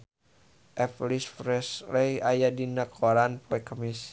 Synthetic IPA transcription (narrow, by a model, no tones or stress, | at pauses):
ʔɛplisfɾɛslɛjajadinakʰɔɾanpoɛkəmis